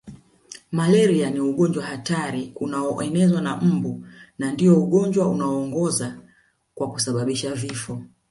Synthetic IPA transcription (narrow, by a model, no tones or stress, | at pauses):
malɛɾianiuɠɔɲd͡ʒwahataɾiunaɔʔɛnɛzwanam̩bunandiɔuɠɔɲd͡ʒwaunaɔːŋɡɔza | kwakusaɓaɓiʃavifɔ